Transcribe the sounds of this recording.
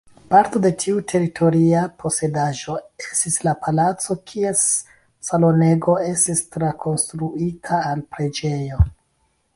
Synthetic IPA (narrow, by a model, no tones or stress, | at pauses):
paɾto̞de̞tʰiutʰe̞ɾitʰo̞ɾiapʰo̞se̞daʒo̞estislapʰalat͡so̞kʰie̞s | salo̞ne̞ɡo̞e̞stistɾakʰo̞nstɾuitʰaːlpɾe̞d͡ʒe̞jo̞